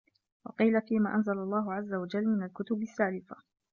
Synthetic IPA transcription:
wɑ̰qiːlafiːmaːʔanzalalˤːɑːɦʊʕazːawad͡ʒalːmɪnalkʊt̪ʊbasːaːlɪfa

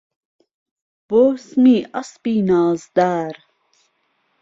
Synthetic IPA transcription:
boːsmiːɐspiːnaːzd̪aːɾ

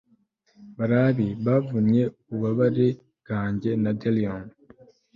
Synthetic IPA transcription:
βaɾaβiβavuɲje̞uβaβaɾe | ɡ̥aːɲɟe̞nadelion

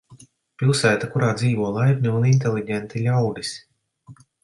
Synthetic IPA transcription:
pʲilˠsæːt̪akuɾaːd̪ziːvuɔːlˠajɾnʲuunint̪elʲˠiɟʲɛnt̪ilʲawd̪isʲ

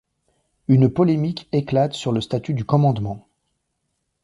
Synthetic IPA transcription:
ynpɔlemikeklat̪syʁləst̪at̪yd̪ykɔmɑ̃d̪mɑ̃

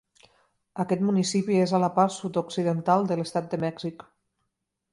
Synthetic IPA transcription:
əkɛt̪munisipiezalapaɾsut̪oksiðənt̪alˠd̪ələst̪at̪̚d̪əmɛɡz̥ik

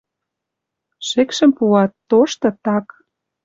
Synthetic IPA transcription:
ʃekʃə̆mpuɑt̪ːoʃt̪ɤ̆t̪ɑk

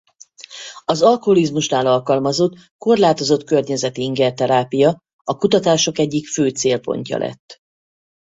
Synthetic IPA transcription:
ɒzɒlkoɦolizmuʃnaːlɒlkɒlmɒzo̞t̪ | ko̞rlaːt̪o̞zo̞t̪kørɲɛzɛt̪iiŋɡɛrt̪ɛɾaːpijɒ | ɒkut̪ɒt̪aːʃo̞kɛɟːikføːt̪seːlpo̞̰ɲcɒ̰lʔɛ̰t̪ː

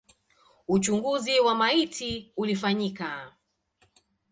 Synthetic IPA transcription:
ut͡ʃuŋɡuziwamaitʰiulifaɲika

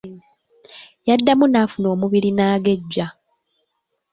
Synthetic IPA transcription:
jadːamunaːfuno̞ːmuβiɾinaːɡe̞ɟːa

